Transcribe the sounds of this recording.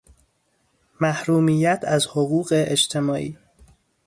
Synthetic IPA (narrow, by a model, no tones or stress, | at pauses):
mæhɾuːmijæt̪ʰæzhoɣuːɣe̞ʔed͡ʒt̪ʰe̞mɒːʔḭː